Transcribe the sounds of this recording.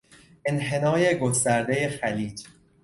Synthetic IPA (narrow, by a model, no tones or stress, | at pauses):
ʔenɦe̞nɒːje̞ɡost̪æɾd̪e̞je̞xæliːd͡ʒ